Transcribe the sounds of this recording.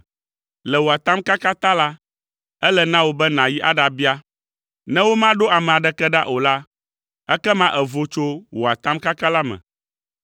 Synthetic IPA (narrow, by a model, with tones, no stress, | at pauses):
lɛ˨wo˨a˨t̪ã˦mka˦ka˦t̪a˦la˦ | ɛ˦lɛ˨nã˦wo˦bɛ˦nã˨ji˦ʔa˦ɖa˨bi˦a˦ | nɛ̃˦wo˦mã˦ɖo˦a˨mɛ̃˨a˨ɖɛ˨kɛ˦ɖa̰˦ʔo˨la˦ | ɛ˦kɛ˦mã˦ʔɛ˨vo˦t͡ʃo˦wo˨a˨t̪ã˦mka˦ka˦la˦mɛ̰̃˨